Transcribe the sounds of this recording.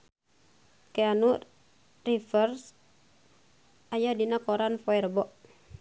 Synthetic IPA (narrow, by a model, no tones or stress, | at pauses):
keanu | rifərs | ajadinakɔɾanfɔɛɾbɔʔ